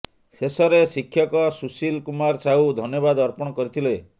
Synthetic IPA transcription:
sesɔɾesikʰːjɔkɔsusilkumaɾsaud̪ʱɔnjɔbad̪ɔɾpɔɽ̃ɔkɔɾit̪ʰile

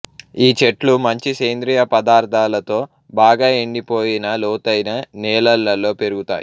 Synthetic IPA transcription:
iːt͡ʃeʈlumɐɲt͡ʃiseːnd̪ɾijɐpɐd̪aːɾt̪aːlɐt̪o̞ː | baːɡaːeɳɖipo̞ːjinɐlɔːt̪ɐjnɐnɛːlɐlːɐlo̞ːpe̞ɾuɡut̪a̰ːjḭ

